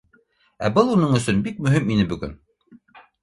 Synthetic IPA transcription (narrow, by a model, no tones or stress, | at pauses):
æ̰bɤlˠunɤɴɵ̆sɵnbik̚mɵ̆ɦiminɘbɵ̆ɡɵ̰n